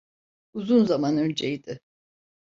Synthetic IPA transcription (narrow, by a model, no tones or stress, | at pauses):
uzunzamanø̞nd͡ʒejid̪ɪ